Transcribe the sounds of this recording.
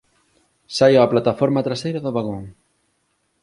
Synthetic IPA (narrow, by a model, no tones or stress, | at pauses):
sajaːplat̪afɔɾmat̪ɾasejɾɐðʊβaɣoŋ